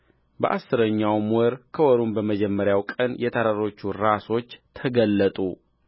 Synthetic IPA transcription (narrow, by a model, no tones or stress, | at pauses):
bəʔa̰sːɨɾəɲːawmwɔɾkʰəwɔɾumbəməd͡ʒɛmːəɾjawkʼənjɛt̪ʰəɾaɾo̞t͡ʃːuɾaso̞t͡ʃːt̪ʰəɡəlːət̪ʼṵ